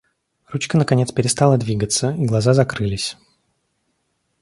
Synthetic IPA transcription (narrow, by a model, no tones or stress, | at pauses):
rut͡ɕkənəkɐnʲe̞t̪spʲɪɾʲɪst̪alˠəd̪vʲiɡət̪səiɡlˠɐzazɐkɾɨlʲɪsʲ